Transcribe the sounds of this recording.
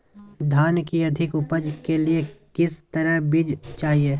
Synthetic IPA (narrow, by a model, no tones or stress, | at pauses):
d̪ʱaːnkiɐd̪ʱɪkʊpəd͡ʒkeliekɪst̪ɐɾəɦbɪd͡ʒt͡ʃaːɦieː